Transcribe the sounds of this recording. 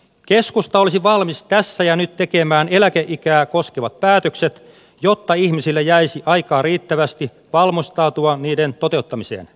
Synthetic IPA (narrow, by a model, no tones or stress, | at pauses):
keskust̪ɑolisiʋɑlmist̪æsːæjɑnyt̪t̪ːekemæːnelækeʔikæːkoskeʋɑt̪̚pæːt̪økset̪ | jot̪ːɑiçmisilːejæisiʔɑikɑːriːt̪ːæʋæst̪i | ʋɑlmosʲt̪ɑːt̪uɑniːdent̪ot̪e̞ut̪ːɑmisḛːn